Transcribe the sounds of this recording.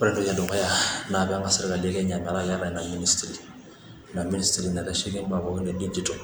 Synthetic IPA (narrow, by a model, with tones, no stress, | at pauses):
pɾɛ̃ntu˦ja˨dɔ̃˨ka˦ja˦na˨bɛãŋka˨siɾa˦ka˨le˦kɛ˦ɲa˨mɛ˨la˦bɛ˦ɾa˨na˨mi˦ni˦stɾi˨ | na˨mi˦ni˦stiɾi˨na˨kɛ˦ʃi˦kĩ˦mba˨bɔ˨ki˦ndɛdi˦d͡ʒito˨